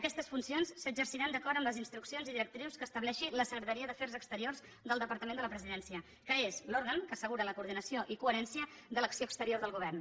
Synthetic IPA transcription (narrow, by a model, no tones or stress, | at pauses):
əkɛst̪əsfunsionsːəd͡ʒərsiɾand̪əkɔɾəmləzinst̪ɾuksionziðiɾək̚t̪ɾiwskəːst̪əβlɛʃiləsəɣɾət̪əɾiəðəfɛɾzəkst̪əɾiorz | ðəlˠd̪əpəɾt̪əmend̪ələpɾəziðɛnsiə | kəezloɾɣəŋkəːsəɣuɾələkuːɾð̞inəsioʔikuəɾɛnsiəðələksioəkst̪əɾioɾðəlˠɣuβɛrn